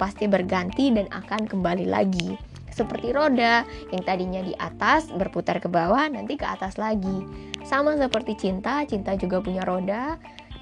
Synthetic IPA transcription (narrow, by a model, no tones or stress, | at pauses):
past̪ibərɡant̪idana̰kankəmbalila̰ɡi | səpərt̪iɾodajaŋt̪adiɲadiʔa̰t̪asbərput̪arkəbawanant̪ikəa̰t̪aslaɡisamasəpərt̪it͡ʃint̪at͡ʃint̪ad͡ʒuɡapuɲaɾoda